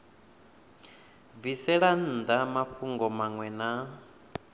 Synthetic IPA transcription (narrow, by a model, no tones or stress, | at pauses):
visɛɺan̩ːd̪amaɸʰuŋɡɔmaŋwɛna